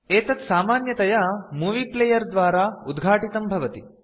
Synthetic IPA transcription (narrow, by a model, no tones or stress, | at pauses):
eːt̪ɐt̪saːmaːnjɐt̪ɐjamuːʋiːpleːjɐɾd̪ʋaːɾaːud̪ɡʱaːʈit̪ɐmbʱɐʋɐt̪i